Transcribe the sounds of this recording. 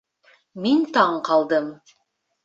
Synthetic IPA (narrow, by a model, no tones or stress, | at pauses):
mint̪ɑɴqʰɑlˠd̪ɤm